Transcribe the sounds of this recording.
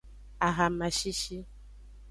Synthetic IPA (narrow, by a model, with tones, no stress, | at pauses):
a˨ɣa˨ma˨ʃi˦ʃi˦